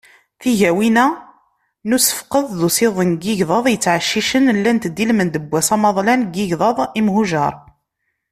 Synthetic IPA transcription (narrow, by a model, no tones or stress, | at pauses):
θiʝæwinæ | nusə̥fqəððusɪðˤənɡiʝðˤɑðˤjət͡sːʕəʃːiʃənlːænt̪d̪ːilmənd̪əbʷːæsɑmɑðˤlænɡiʝðˤɑðˤimɦuʒɑ̰ɾˤ